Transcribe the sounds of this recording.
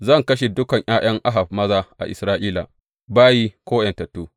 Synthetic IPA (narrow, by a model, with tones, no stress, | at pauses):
zɐ˦˨ŋkɐ˦ʃe˨dʊ˦kɐ˨ɲʔj̰aː˦jɐ˦ŋʔa˦ɦa˨b̚mɐ˦zaː˦ʔa̰˨ʔɪ̰˨sɾaː˦ʔiː˦la˨ | baː˦jiː˦kʷoː˦jɐ˨ntɐ˨tːuː˦